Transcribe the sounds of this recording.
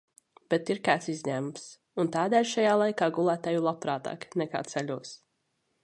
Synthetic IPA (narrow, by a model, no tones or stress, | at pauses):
b̥ɛt̪iɾkaːt̪sizʲɲæːmms | unt̪aːd̪ɛːlʲʃajaːlˠajkaːɡulˠæːt̪aːjulˠapɾaːt̪a̰ːknɛka̰ːt̪sɛʎʲuɔs